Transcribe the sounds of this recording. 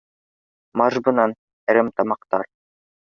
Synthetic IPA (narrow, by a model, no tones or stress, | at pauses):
maʒbɯ̆nan | ɛɾɘmt̪ɑmɑqt̪ɑ̰ɾ